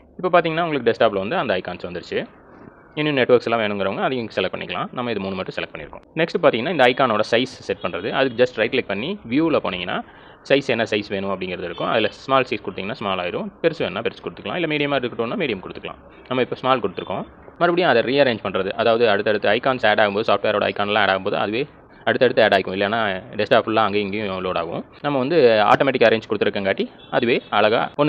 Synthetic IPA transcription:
ɪpːoːpːaːɾt̪iːŋɡɐnːaːʊŋɡɐɭɯkːɯɖɛsʈaːblʋɐnd̪ɯɐnd̪ɐɪkːaːnsʋɐnd̪ɯɾt͡ʃːɯ | ɪnːunɛʈːʋɐɾksɛlːãːʋeːɳɯ̃ŋɡɐɾɐʋɐŋɡɐːðɐjʊkːɯsɛlɐk̚pɐɳːɪkːɐlãːnɐmːɐɪðɯmuːnːɯmɐːʈːɯ̃sɛlɐk̚ʈ̚pɐɳːɪ̰ɾɯkːʊ̰̃nɛksʈpaːɾt̪iːŋɡɐnaːɪndɐɐɪkːaːnoːɽɐsɐɪssɛʈ̚pɐɳɾɐðɯɐðɯkːɯd͡ʒɐsʈɾɐɪʈlɐɪk̚pɐɳːiʋjuːɪlɐpoːniːŋɡɐnːa̰ː | sɐɪsɛnːɐsɐɪsʋeːɳʊ̃ɐpːɐɽɪŋɡɪɾɐðɪɾɯkːʊ̃ʔɐðɪlɐsmaːɾʈsɐɪskʊɽɯt̪iŋɐnːaːsmaːɾlaːɪɾʊ̃pɛɾɯsʋeːnnːaːpɛɾskɔɽɯt̪ːɯkːɐlãːɪlːɐmiːɽɪjɐmaːɪɾðɯkːɪʈːoːnːaːmiːɽɪjɐmkʊɽɯt̪ːɯkːɐlã̰ː | nɐmːɐɪpːoːsmaːlkʊɽɯt̪ːɯɾɯkːʊ̰̃ | mɐɾbɐɽɪjãːɐðɐɾiːɐɾẽːɲd͡ʒpɐɳːɾɐðɯʔɐðaːʋɐðɯɐɽɯt̪ːɐɽɯt̪ːɯɐɪkːaːnseːɽaːɣɯmpoːðɯsaːfʈʋeːɾoːɽɐ̰ɪkːaːnɛlãːeːɽaːɣɯmpoːðɯ̰ɐ̰ðɯʋeː | ɐɽɯt̪ːɐɽɯt̪ːɯeːɽaːɪkːʊ̃ɪlːɐeːnːaːɖɛsʈaːfʊlːãːɐŋɡeːɪŋɡeːjʊ̃loːɽa̰ːɣɐʊ̰̃nɐmːɐʋɐnd̪ɯa̰ːʈoːmɛːʈ̬ːɪkːɐɾẽːɲd͡ʒkʊɽɯt̪ːɯɾɯkːɐŋkaːʈːi | ɐðɯʋeːɐɭɐɣa̰ːɔnː

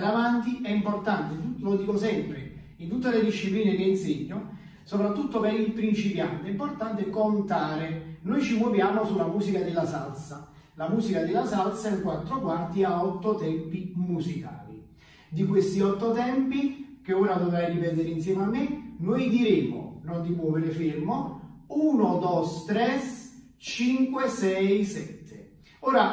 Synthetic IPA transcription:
ɾavant̪iɛimport̪ant̪et̪ut̪ːlod̪iːkosɛmpɾḛ | int̪ut̪ːeled̪iʃːipliːnekeinseɲːo | sopɾat̪ːut̪ːopeɾilpɾint͡ʃipja̰nt̪import̪ant̪ekont̪aːɾenojt͡ʃimovjaːmosulːamuːsikad̪elːasa̰lsa | lamuːzikad̪ɪlːasalsaɛlkwat̪ːɾokwart̪iaɔt̪ːot̪ɛmpimusika̰ːli | d̪ikwest̪iɔt̪ːot̪ɛmpikeoːɾad̪ovɾajripɛt̪eɾeinsjɛmamːɪnojd̪iɾeːmo̰nond̪imwɔːveɾɪfermouːnod̪ɔst̪ɾɛs | t͡ʃiŋkwesɛjsɛt̪ʰːe | oːɾa

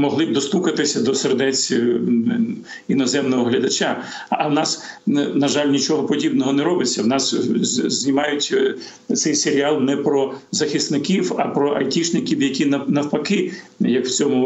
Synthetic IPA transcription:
mɔɦlˠɪd̪ɔst̪ukɐt̪ɪsʲɐd̪ɔserd̪ɛt͡sʲ | inɔzɛmnɔɦɔɦlʲɐd̪ɐt͡ʃaː | wnɑsnɐʒɑlʲnʲit͡ʃɔɦɔpɔdʲibnɔɦɔnɛɾɔbɪt͡sʲːɐwnɑszʲnʲimɑjʊtʲ | t̪sɛjseɾʲiɑlˠnɛpɾɔzɐxʲist̪nɪkʲiwɐpɾɔʔɐjtʲiʃnɪkʲiwjɐkʲinɐnɐwpɐkɪjɐkwt͡sʲɔmʊ

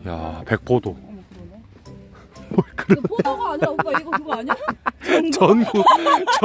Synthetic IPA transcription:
ja̰pe̞k̚p͈odo | mwʌɭkɯɾʌne | t͡ɕʌnɡuk̚t͡ɕ

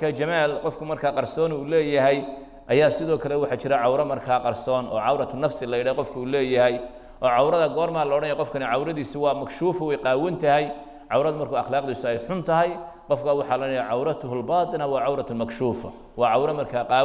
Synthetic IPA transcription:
mɐkʰaːt͡ʃɐmaːlqɔfkʰʊmɐrkʰaːqɑrsɔːnuːlɛːjɐɦɛj | ʔɐjaːsɪðɔːkʰɐlɛwɑħɑːt͡ʃɪɾɐʕɑwɾɐmɐrkʰaːqɑrsɔːnʔɔ̰ːʕɑwɾɐt̪ʰʊnɐfsɪlɐjɪɽaqɔfkʰɐuːlɛːjɐɦɛj | ʔɔːʕɑwɾɐðɐɡɔːrmaːlɔːɽɐnjaqɔfkʰɐnɪʕɑwɾɐðiːsiwɑːmɐkʃuːfɐwɛjqɑːwɐnt̪ʰɐhɛj | ʕɑwɾɐðɐmɐrkʰʊɑχlaːqd̪iːsʊɛjħʊnt̪ʰɐɦɛj | qɔfkʰaːwɑħɑːlɐnɐjaʕɑwɾɐt̪ʰʊɦʊlbɑːt̪ʼˤɨnɐwɑːʕɑwɾɐt̪ʰʊlmɐkʃuːfɐ̰ | wɑːʕɑwɾɐmɐrkʰaːqɑː

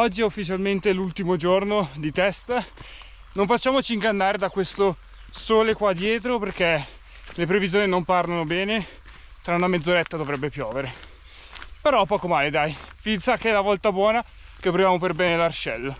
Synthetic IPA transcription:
ɔd͡ʒːiɛufːit͡ʃalment̪elult̪imod͡ʒornod̪it̪ɛst̪a | noɱfat͡ʃːaːmot͡ʃiːŋɡanːaːɾed̪akwest̪o | soːlekwad̪ːjɛːt̪̬ɾoperke | lepɾevizjoːninomparlanobɛːne | t̪ɾaunamed̪zoɾɛt̪ːad̪ovɾɛbːepjɔːveɾe | peɾɔpːɔːkomaːled̪ajfinsakːeɛlavɔlt̪abwɔːna | kepːɾovjaːmoperbɛːnelart͡ʃɛlː

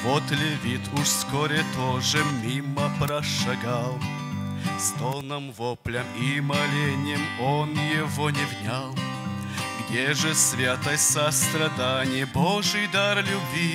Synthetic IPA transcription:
vot̪lʲɪvʲit̪ʰʊʂskoɾʲɪt̪oʐɨmʲimːəpɾɐʂɐɡalˠ | st̪olˠnəmvoplʲəmimɐlʲenʲɪjɪmonjɪvonʲɪvnʲalˠ | ɡdʲeʐɨsvʲat̪əjsɐst̪ɾɐd̪anʲɪjəboʐɨjd̪arlʲʊbvʲi

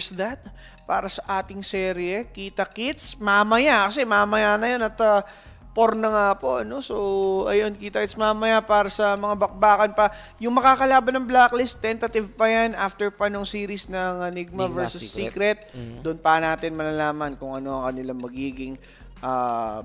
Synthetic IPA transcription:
sd̪ɐt̪̚ | paːɾɐsɐʔaːt̪ɪŋsɛɾɪɛkiːt̪ɐkɪt̪smamɐjakɐsɛmamɐjanɐjonɐt̪ɐ | poɾnɐŋapo̞ʔno̞soɐjo̞nkiːt̪ɐkɪt̪smaːmɐjapaːɾɐsɐmɐŋabɐk̚baːkɐnpɐ | jʊŋmɐkaːkɐlaːbɐnːɐŋblaklɪst̪ːɛnt̪ɐt̪ɪvpɐjanʔaːft̪ɛɹpɐnoŋsiːɾisnɐŋɐniɡ̚mɐvɛɹsʊssːiːkɾɛt̪̚d̪ʊnpɐnaːt̪ɪnmɐlɐlaːmɐnkʊŋɐno̞ɐŋkɐnɪlaŋmɐɡiːɡɪŋ | ʔaː

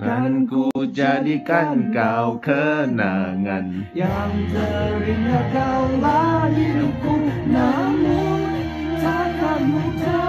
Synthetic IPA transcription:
kankud͡ʒadikankawkəna̰ŋa̰n | jaŋt̪əɾiŋakawbalilukunamu | anamuta

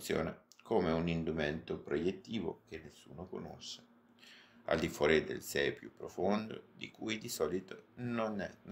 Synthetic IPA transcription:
t̪sjɔ̰ːnakomeunind̪umɛnt̪opɾojet̪ːiːvo̰k̟enːesːṵːnoko̰no̰sːe̥ | a̰ld̪ifwɔːɾid̪ḛlsɛpjupːɾofond̪o̰d̪ḭkujd̪isɔlit̪ononɛ̰

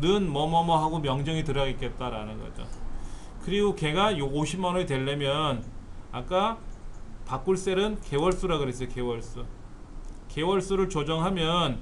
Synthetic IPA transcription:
nɯnmʌmʌmʌɦaɡomjʌŋd͡ʑʌŋitɯɾʌɡik͈e̞t̚t͈aɾanɯnɡʌd͡ʑo̰ | kɯɾiɡoke̞ɡajooɕʰimanoetwe̞ɭːemjʌnak͈a | pak͈uɭs͈e̞ɾɯnke̞wʌɭs͈uɾaɡɯɾes͈ʌjoke̞wʌɭs͈u | ke̞wʌɭs͈uɾɯɭt͡ɕod͡ʑʌŋɦamjʌn

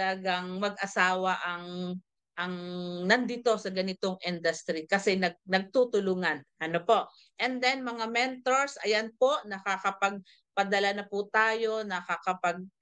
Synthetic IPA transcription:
lɐɡaŋmɐɡʔɐsaːwɐʔɐŋ | ʔɐŋnɐnd̪ɪt̪o̞sɐɡɐnɪt̪oŋʔɪnd̪ɐst̪ɾikɐsɛnɐɡ̚nɐɡ̚t̪ut̪ʊluːŋɐnʔɐnopo̞ʔ | ʔɛnd̪ɛnmɐŋamɛnt̪oɹsʔɐjanpo̞nɐkakɐpɐɡ̚ | pɐd̪ɐlanɐput̪aːjo̞nɐkakɐpɐɡ̚

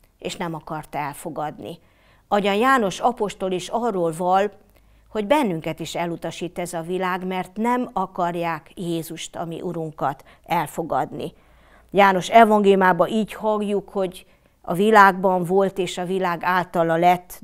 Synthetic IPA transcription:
eːʃnɛmɒkɒrt̪ɛlfo̞ɡɒd̪nḭ | ɒɟɒnjaːno̞ʃɒpo̞ʃt̪o̞liʃɒrːoːlvɒl | ho̞ɟbɛnːyŋkɛt̪iʃɛlːut̪ɒʃiːt̪ːɛzɒvilaːɡmɛrt̪nɛmɒkɒrjaːkjeːzuʃt̪ɒ̰mḭʔuɾuŋkɒt̪ | ɛlfo̞ɡɒ̰d̪nḭ | jaːno̞ʃɛvɒŋɡeːljumaːbɒʔiːchɒɡjukho̞ɟ | ɒ̰vilaːɡbɒɱvo̞lt̪eːʃɒvilaːɡaːlt̪ɒlɒlɛt̪ː

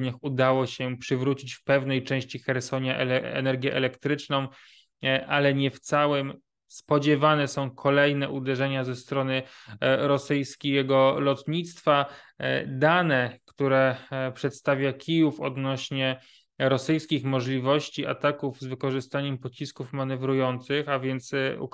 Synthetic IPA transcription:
ɲaxud̪awɔɕɛpʂɘvɾut͡ɕit͡ɕfpɛvnɛjt͡ʂɛ̃w̃ɕt͡ɕixɛɾsɔɲaʔɛ̰nɛɾɡʲjɛʔɛlɛkt̪ɾɘt͡ʂnɔ̃w̃ | ʔalɛɲɛft̪sawɛm | spɔd͡ʑɛvanɛsɔ̃w̃kʰɔlɛjnɛʔud̪ɛʐɛɲazɛst̪ɾɔnɘɾɔsɘjskʲiɛɡɔlɔt̪ɲit̪st̪fa | d̪anɛkt̪uɾɛpʂɛt̪st̪avʲjakʲʰijufɔd̪nɔɕɲɛ | ɾɔsɘjskʲixmɔʐlʲivɔɕt͡ɕia̰t̪akuvzvɘkɔʐɘst̪aɲɛmpɔt͡ɕiskufmanɛvɾujɔnt̪sɘxavʲjɛnt̪sṵ

